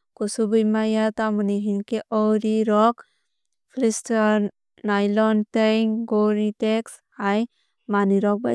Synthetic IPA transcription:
kusubujmajat̪amuniɦinkeʔɔɾiɾɔk | pʰlistɔ | najlɔnt̪ejŋɡoɾit̪eks | aj | maniɾɔk̚ba

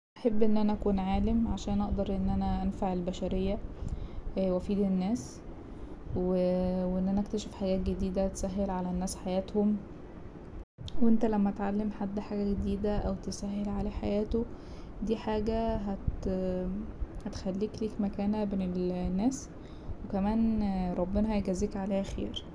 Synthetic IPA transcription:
ʔaħebːʔenːʔænæʔækuːnʕaːlemʕaʃæːnʔɑʔd̪ɑɾˤʔenːʔænæʔænfaʕelbæʃæɾejːæ | wæfiːd̪enːæːs | weweʔenːʔænæʔækt̪æʃefħaɡæːt̪̚ɡed̪iːd̪æt̪sæɦːelʕalænːæːsħajæːt̪hom | wʔent̪ælæmːæʔæt̪ʕalːemħad̪ːħaːɡæɡed̪iːd̪æʔæwt̪esæɦːelʕalæħajæːt̪o | d̪iːħaːɡæɦæt̪ | hæt̪xælːiːkliːkmækæːnæbenelnːæːs | wekæmæːnɾˤɑbːenæhæjɡæziːkʕaleːhæxḛːɾ

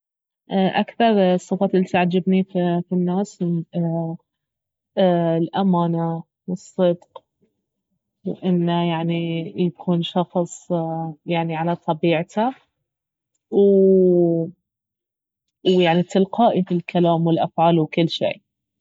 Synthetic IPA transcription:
ʔaʔakθɑɾˤsˤːɨfɑːt̪ʔɪlːit̪aʕd͡ʒabnififinːaːsmn | lʔamaːna | wɨsˤːɨd̪q | wʔɪnːajaʕnijakʰuːnʃɑxsˤjaʕniʕalat̪ˤɑbiːʕt̪a | w | wjaʕnit̪ɪlqɑːʔifilkʰalaːmwɪlʔafʕaːlwkɪlːʃḛː

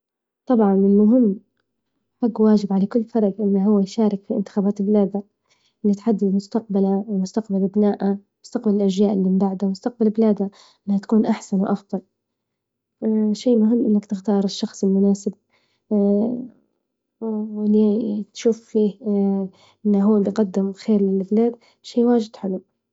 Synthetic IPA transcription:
t̪ˤɑbʕɑnɪlmʊɦɪmː | haɡwaːd͡ʒɪbʕalakʊlːfɑɾˤbʔɪnːaɦʊwːajʃaːɾˤɪkfiʔɪ̰nt̪ɪ̥xaːbaːt̪lblaːd̪a | ʔɪlːit̪ħad̪ːɪd̪mʊst̪aq̚balawmʊst̪aqbalʔabnaːʔamʊst̪aqbalɪlʔaʒjaːʔɪlːiɪbaʕd̪amʊst̪ɑq̚balbɪlaːd̪a | ʔɪnːhat̪ḁkuːnʔaħsanwʔɑfðˤɑl | ʃaːmʊɦɪmːʔɪnːakt̪ɪxt̪ɑːɾˤɪʃːɑxsˤɪlmʊnaːsɪb̚ | wɪlːit̪ʃuːfːiː | ʔɪnːaɦuːlijqɑd̪ːɪmxeːɾlɪlbɪlaːd̪ | ʃeːwaːʒɪd̪ħɪlu

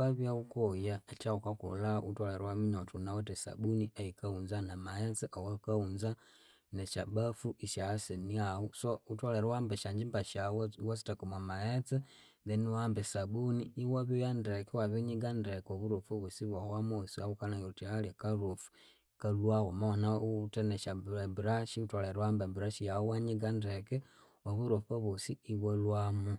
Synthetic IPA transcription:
aβjaukojaet͡ʃaukako̰lautwaleɾwamiɲotʰunawatesa̰buniajikaunzanamajet͡seʔawakaunza | neʃabafuʔiʃaseniausoutwaleɾwambeʃaɲd͡ʒimbaʃawwasi̥takomamaet͡se | ðeniwaːmbesabuniːwaβojandekewaβiɲiɡandekoβuɾofoβosiβwawamoosiawukanajolutialekaɾofu̥ | kalwawomawonateneʃabiɾaʃiutwaleɾwambabiɾaʃijaowaɲiɡandeke | oβuɾofoβosiːβolwamu

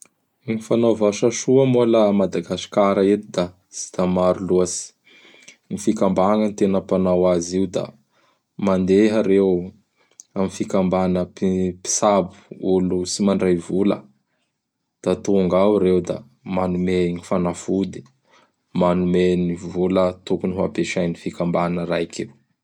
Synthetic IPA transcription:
ŋifanavaʃaʂuamolamad̪aɡasi̥kaɾaet̪id̪a | z̥i̥t̪amaɾuluasi̥ | ŋifikambaŋant̪enəpanawaziud̪a̰ | mand̪eɦaɾew | amifikambanəpipi̥sabu̥ulusimaɳɖ͡ʐajvulə̰ | d̪̥at̪uŋɡawɾewd̪a̰ | manumenifanafud̪i̥ | manumenivulət̪ukuniɦa̰peʃajnifikambanəɾajkʰew

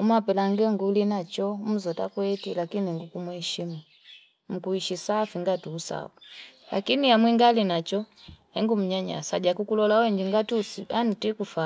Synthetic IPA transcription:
umapɛlaŋɡɛŋɡulinat͡ʃɔm̩zɔtakwɛtilakiniɛŋɡukumuhɛʃima | m̩kuiʃisafiŋɡatuːsa̰ula̰kinijamwiŋɡalinat͡ʃɔhɛŋɡum̩ɲaɲa̰saɟakukulɔlawɛŋɡiŋɡatusianitikufa

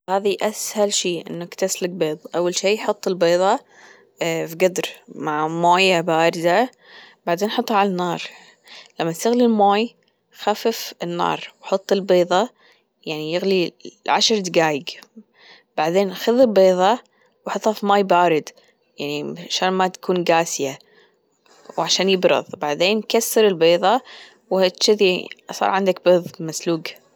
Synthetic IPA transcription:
haːðiʔashalʃiːʔɪ̰nːakt̪aslɪɡ̚beːðˤʔawːalʃiːħʊt̪ˤːɪlbeːðˤɑ | fɡad̪ɾmaʕmoːjabaːɾɪd̪a | baʕd̪eːnħʊt̪ˤːhɑʕalanːɑːɾˤ | lamːast̪aɣlilmaːj | xafɪfɪnːɑ̰ːɾˤwħɑt̪ˤːɪlbeːðˤɑ | jaʕnijɪɣliʕaʃɾˤd̪ɪɡaːjɪɡ | b̥aʕd̪eːnxʊðɪlbeːðˤɑ | wħɑt̪ˤːɑfimaːjbaːɾɪd̪ | jaʕniaʃaːnmat̪ḁkʰuːnɡaːsɪja | wʕaʃaːnjɪbɾʊ̰ðˤbaʕd̪eːnkasːɪɾɪlbeːðˤɑ | what̪ʃɪðsˤɑ̰ːɾˤʕɪnd̪ak̚beːðˤmasluːɡ

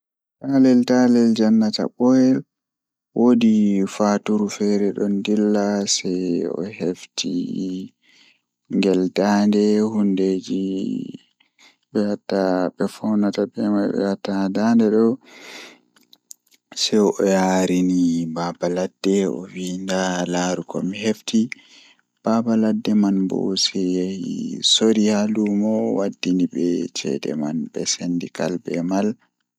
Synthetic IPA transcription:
talɛltalɛld͡ʒanːata̰ɓɔjɛl | wʔoːdifatuɾufɛɾɛɗɔndilːasɛjɔ̰heftḭ | ŋɡɛldandɛhunded͡ʒi | ɓɛhatːaɓɛfawnatabɛmajbɛ̰hatːadandɛɗɔ | sɛɔjaɾinibabaladːɛɔ̰windalaɾukɔ̰miɦefti | b̥abaladːɛmanbɔ̰sɛjahḭsoɾihalumɔwadːinibɛt͡ʃɛ̰dɛ̰manbɛsendikalbɛmal

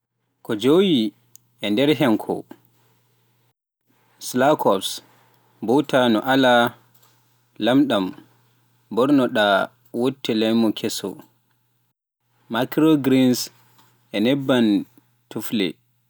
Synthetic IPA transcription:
kɔd͡ʒowi | ʔɛndɛɾɦɛmkʰɔ̰ | slakʰɔps | bɔtʰanɔʔala | lamɗam | bɔɾnɔɗa | wotːɛlajmɔkʰɛsɔ̰ | makɾoɡɾins | ʔɛnɛbːan | tuflɛ̰

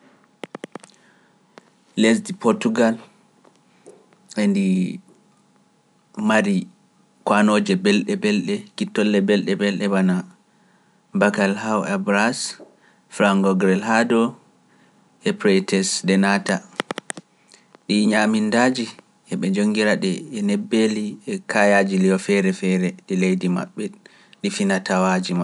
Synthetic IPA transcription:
lesdipɔɾtuɡal | ʔendi | maɾi | kwanoːd͡ʒɛbɛlɗɛbɛlɗɛkitːɔlːɛbɛlɗɛbɛlɗɛwana | bakalhawabɾas | fɾaŋɡɔɡɾɛlhadɔ | ʔɛpɾɛtɛsdɛnata | ɗiɲamindad͡ʒi | ʔɛɓɛd͡ʒoŋɡiɾaɗɛɛnɛbːeliɛkʰajad͡ʒiliɔfɛɾɛfɛɾɛɗilejdima̰ɓːɛ | ɗifinatawad͡ʒima

